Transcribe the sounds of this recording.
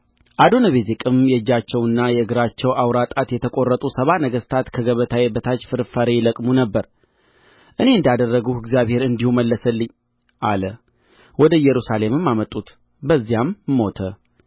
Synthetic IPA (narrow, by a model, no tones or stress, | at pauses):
ʔad̪o̞nəβezekʼɨmjɛɨd͡ʒːat͡ʃːɛwɨnːajɛɨɡɾat͡ʃːɛwawɾat̪ʼat̪jɛt̪ʰəkʼo̞rːət̪ʼusəβanəɡəst̪ʰat̪kʰəɡəβət̪ʰajebət̪ʰat͡ʃfɨɾfəɾejləkʼmunəbːəɾ | ʔɨne̞ɨnd̪ad̪ərːəɡuhɨɡzijaβhe̞ɾɨnd̪ihuməlːəsəlːɨɲː | ʔalə | wɔd̪əjɛɾusale̞mɨmːamət̪ʼut̪ | bəzːijamːo̞t̪ʰə